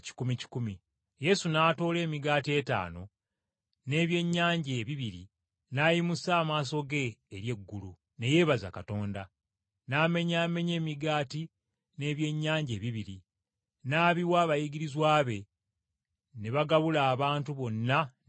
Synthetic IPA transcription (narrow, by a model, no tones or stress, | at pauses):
ci̥kumici̥kumi | je̞sunaːto̞ːle̞ːmiɡaːtie̞ta̰ːno̞̰ | ne̞ːβje̞ɲːaːɲɟe̞ːβiβiɾḭ | naːjimusaːmaːs̬o̞ɡe̞ːɾje̞ɡːulu | ne̞je̞ːβaza̰kato̞ːnda | naːme̞ɲaːme̞ɲe̞ːmiɡaːti | ne̞ːβje̞ɲːaːɲɟe̞ːβiβiɾi | naːβiwaːβajiɡiɾizwaːβe̞ | neβaɡaβulaːβaːntuβo̞nːa